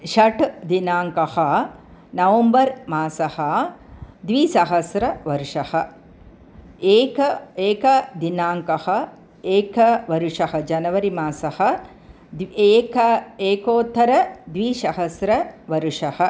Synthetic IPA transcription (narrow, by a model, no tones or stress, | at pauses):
ʃɐʈd̪inaːŋkɐhɐ̆nɐʋɐmbɐɾmaːsɐhɐ̆ | d̪ʋiːsɐɦɐsɾɐʋɐɾuʂɐhɐ | eːkɐeːkɐd̪inaːŋkɐhɐ | eːkɐʋɐɾuʂɐhɐd͡ʒɐnɐʋɐɾimaːsɐhɐ̆ | d̪eːkɐeːkoːt̪ʰːɐɾɐd̪ʋiːʃɐɦɐsɾɐʋɐɾuʂɐhɐ̆